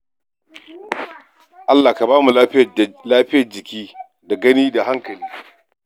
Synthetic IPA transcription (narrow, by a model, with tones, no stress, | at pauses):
ʔa˦lːaː˨ka˨baː˦mu˨la˦ɸɪ˦jlaː˦ɸɪ˦jɐ˨rd͡ʒɪ˨kʲiː˦ | da˨ɡɐ˦niː˦da˨ɦa˦ŋkɐ˨liː˦